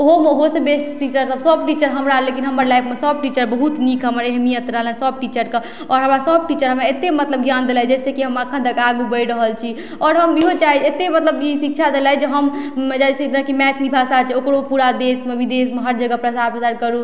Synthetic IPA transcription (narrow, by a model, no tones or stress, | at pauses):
ɦoɦosebesʈʈit͡ʃəɾsəbsəb̚ʈit͡ʃəɾɦəmɾalekinɦəməɾlajpmesəb̚ʈit͡ʃəɾbəɦut̪nikʰɦəməɾeɦmijət̪ɾəɦələnsəb̚ʈit͡ʃəɾke | ɔːɾɦəmɾasəb̚ʈit͡ʃəɾɦəmaet̪ːemət̪ləb̚ɡjand̪elɦɛd͡ʒɛsekiɦəməkʰə̃nt̪əkaɡubəjɾəɦəlt͡ʃʰi | ɔːɾɦəmiɦot͡ʃaɦiet̪emət̪ləbisik̚t͡ʃʰad̪elɛɦɛd͡ʒeɦəmd͡ʒaset̪nə̃kimɛt̪ʰlibʱasat͡ʃʰɛokɾopuɾad̪esmebid̪esmeɦəɾd͡ʒəɡəpɾəsapəsaɾkəɾu